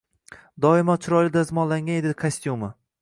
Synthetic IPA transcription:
d̪ɒɪmat͡ʃʰʊɾɒjlɪd̪azmɒnlaŋɡʲaned̪ɪkʰasʲt̪juma

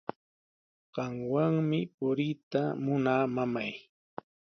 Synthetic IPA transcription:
ɢ̥ɑŋwaŋmɪpʊɾɪjt̪amʊnaːmamaj

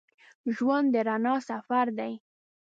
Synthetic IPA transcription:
ʒwand̪d̪əɾanɑsafaɾd̪aj

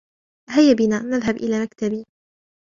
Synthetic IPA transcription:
ʔɦajːabɪnaːnːaðɦabʔɪlaːmakt̪abiː

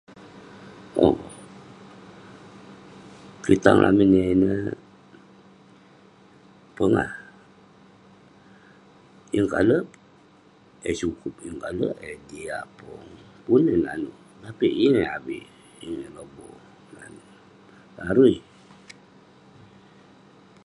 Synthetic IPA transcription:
o̰ | kit̪aŋlʔa̰mineinə | pəŋa̰h | iŋkalə | esukup̚iŋkaləʔediapɔŋpunenanu | t̪apiʔineabiʔ | iŋelobɔ | na̰n | laɾui

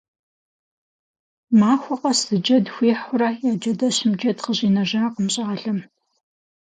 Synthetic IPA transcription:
maːxʷɔqɐsɨd͡ʒɐdxʷiːħʷʊrɐjaːd͡ʒɐdɐɕɪmd͡ʒɐdqəʑiːnɐʒɐrɐqəmɕʼaːɬɐm

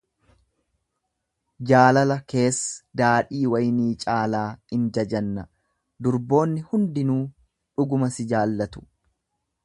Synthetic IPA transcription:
d͡ʒaːlɐlɐke̞ːsːɐd̪aːᶑiːwɐjniːt͡ʃʼaːlaːɪnd͡ʒɐd͡ʒɐnːɐ | d̪ʊɾbo̞ːnːɪhʊnd̪ɪnuː | ᶑʊɡʊmɐsɪd͡ʒaːlːɐt̪ʊ̥

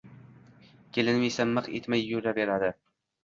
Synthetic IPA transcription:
kʲʰelɪnmijsamːɨqḛt̪majːʊɾd̪abeɾad̪ɪ

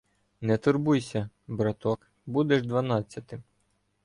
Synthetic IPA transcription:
nɛt̪ʊrbujsʲɐ | bɾɐt̪ɔk | bud̪ɛʒd̪ʋɐnɑt͡sʲːɐt̪ɪm

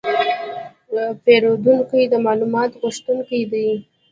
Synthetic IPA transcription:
əpeɾod̪uŋkojd̪əmɑlumɑt̪ɣʊʂt̪uŋkajd̪ij

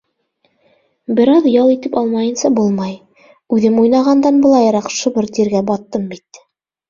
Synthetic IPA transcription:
bɘ̆ɾɑðjɑlˠit̪ɘpɑlˠmɑjɤ̆nsɑbulˠmɑj | ʉðɘmujnɑʁɑnd̪ɑnbɤ̆lˠɑjɾɑqʃŏbɤɾt̪iɾɡæbɑt̪ːɤmbit̪

